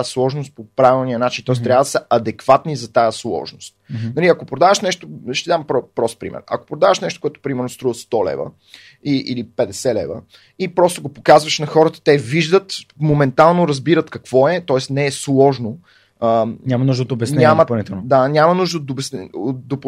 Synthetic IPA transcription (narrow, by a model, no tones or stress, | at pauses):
slˠɔʒnost̪̚popɾavilˠnijənat͡ʃint̪ɔɛst̪ɾʲavəd̪ɐsəɐd̪ɛkvat̪nizɐt̪ajəslˠɔ̰ʒnost̪̚nɐliɐkopɾod̪avəʃnɛʃt̪oʃt̪ɛd̪ampɾɔpɾɔspɾḭmɛ̰ɾɐ̰ko̥pɾod̪avəʃnɛʃt̪o̥koʊɛt̪o̥pɾimɛɾnost̪ɾuvəst̪ɔlɛ̰və̰ | iʔilipɛd̪ɛsɛlɛ̰və̰ | ipɾɔst̪oɡopokazvɐʃnɐxɔɾət̪ə̥t̪ɛviʒd̪ət̪momɛnt̪alˠnoɾɐzbiɾət̪kɐkv̥ɔɛt̪ɔɛsnɛːslˠɔʒno | əɲʲamɐnuʒd̪əot̪obɛsnɛaməpnit̪ɛnd̪anʲamɐnuʒd̪əod̪obɛsnɛod̪op